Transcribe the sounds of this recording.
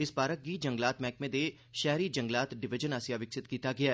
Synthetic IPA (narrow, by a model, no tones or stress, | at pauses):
ɪsbaːɾək̚ɡiːd͡ʒə̃ŋɡlaːt̪mɛ̃ːk̚mẽd̪e | ʃɛɦɾiːd͡ʒə̃ŋɡlaːt̪ɖɪʋɪd͡ʒənaːsjaːʋɪksɪt̪kiːt̪aɡɪaː